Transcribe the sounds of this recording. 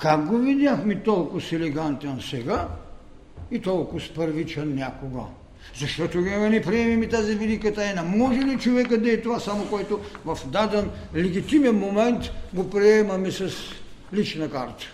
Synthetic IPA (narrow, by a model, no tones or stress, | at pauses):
kak̚ɡovid̪ʲjaxmɛt̪ɔlˠkosɛlɛɡant̪ɛnsɛɡa | it̪ɔlˠkʊspəɾvit͡ʃɛnnʲakoɡə̰ | zɐʃt̪ɔt̪oɡnɛpɾiɛmimit̪azivid̪ikət̪aɛnamɔʒɛlit͡ʃovɛkəd̪ɐɛt̪ovasamokoɛt̪ovɐfd̪ad̪ɛn | lɛɡit̪imɛnmomɛnt̪ɡopɾiɛmɐmɛsɐs | lit͡ʃnɐkaɾt̪ə̥